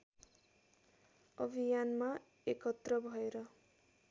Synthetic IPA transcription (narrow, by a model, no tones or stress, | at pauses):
ʌbʱijanma | ekʌt̪rʌbʱʌeɾʌ